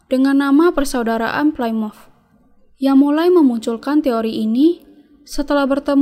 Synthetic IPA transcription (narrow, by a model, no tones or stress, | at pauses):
d̥əŋanːamapərsaudaɾa̰ʔa̰nplajmɔf | jaŋmulajməmuɲt͡ʃulkant̪eoɾiʔini | sət̪əlahbərt̪əm